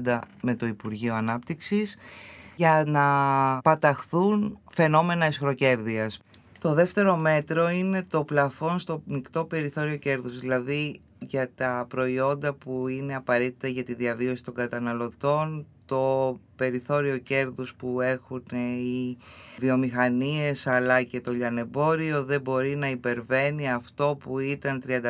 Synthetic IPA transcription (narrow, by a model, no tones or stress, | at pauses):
d̪ɐme̞t̪o̞ipuɾʝio̞ɐnɐpt̪iksisʝɐnɐpɐt̪ɐxθunfe̞no̞me̞nɐisxɾo̞ce̞ɾðiɐs | t̪o̞ðe̞ft̪e̞ɾo̞me̞t̪ɾo̞ine̞t̪o̞plɐfo̞nst̪o̞mikt̪o̞pe̞ɾiθo̞ɾio̞ce̞ɾðuzðilɐði | ʝɐt̪ɐpɾo̞io̞nd̪ɐpuine̞ɐpɐɾe̞t̪i̥t̪ɐʝɐt̪iðiɐvio̞si̥t̪o̞ŋɡɐt̪ɐnɐlo̞t̪o̞nt̪o̞pe̞ɾiθo̞ɾio̞ce̞ɾðuspue̞xuneivio̞mixɐnie̞sɐlɐce̞t̪o̞ʎɐne̞bo̞ɾio̞ðe̞bo̞ɾinɐipe̞ɾve̞niɐft̪o̞puit̪ɐnt̪ɾiɐnd̪ɐ